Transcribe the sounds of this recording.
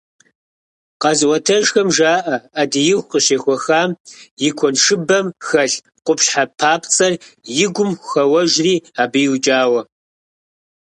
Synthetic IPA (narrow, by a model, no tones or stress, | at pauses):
qɑzwɔtʰɐʒxɐmʒaːʔɐadijɪxʷqəɕeːxʷɔxaːmjɪkʷʰɔnʂɨbɐmxɐɬ | qʷʊpɕħapʰaːpʰt͡sʼɐrjɪɡʷʊmxɐwɐʒriːaːbijwt͡ʃʼaːwɐ